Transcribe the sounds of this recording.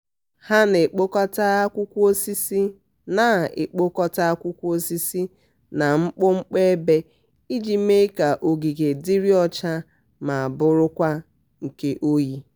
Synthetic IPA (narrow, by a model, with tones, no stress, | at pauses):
ha˦ne˨k͡po˦kɔ˦ta˦a˦kʷu˦kʷu˦o˦si˦si˦ | na˨ḛ˨k͡po˦kɔ˦ta˦a˦kʷu˦kʷu˦o˦si˦si˦ | na˨ŋ͡m̩˦k͡pʊ˦ŋ͡m̩˦k͡pe˦e˦be˦ | i˦d͡ʒi˦me˦ka˨ʔo˨ɡi˨ɡe˨di˦ɾi˦ɔ˦t͡ʃa˦ | ma˨a˨bʊ˦ɾʊ˦kʷa˦ | ŋ̩˨ke˦ʔo˦ji˦